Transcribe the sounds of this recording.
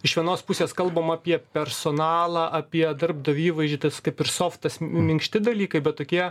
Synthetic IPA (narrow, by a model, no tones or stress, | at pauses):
ɪʃʋʲiɛnoːspʊsʲeːskɐlˠbɐmɑːpʲiɛpʲɛɾsoːnɑːlˠɑːʔɐpʲiɛd̪ɐrb̚d̪ɐʋʲiːʋɐɪʒʲɪt̪ɐskɐɪpɪrsoːft̪ɐsmʲɪŋkʃʲt̪ʲɪd̪ɐlʲiːkɐɪbʲɛt̪̚toːkʲiɛ